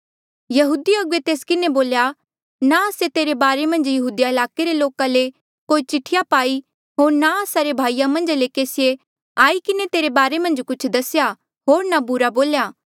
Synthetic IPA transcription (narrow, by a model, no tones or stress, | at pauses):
jɐɦuːd̪iɐɡuet̪eːskɪneboːlja | naɐset̪eːɾebaːɾemɐ̃nd͡ʒjɐɦuːd̪iaɐlaːkeɾeloːkale | koːit͡ʃɪʈʰːɪjapaːi | ɦoːɾnaəsaɾebʱaːijamɐ̃nd͡ʒlekeːsɪje | aːikɪnet̪eːɾebaːɾemɐ̃nd͡ʒkʊt͡ʃʰd̪ɐsja | ɦoːɾnabʊɾaboːljaː